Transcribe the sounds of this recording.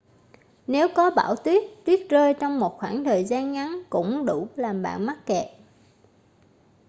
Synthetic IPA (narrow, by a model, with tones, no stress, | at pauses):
ne˨˦wkɔ˨˦ɓa̰ː˧˩wt̪wi˦˥ət̚t̪wi˦˥ət̚zəː˧jt͡ɕɔ˧wŋ͡mmo˨˩t̚xwaː˧˩ŋt̪ʰəː˨˩jzaː˧nŋa˨˦nkʊ̰˧˥ŋ͡mɗṵ˧˩laː˨˩mɓa̰ː˧˨nma˦˥t̚kɛ˨˩p̚